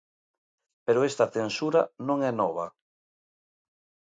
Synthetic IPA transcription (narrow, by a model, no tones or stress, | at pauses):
peɾoest̪ɐθensuɾanõŋɛnɔβ̞a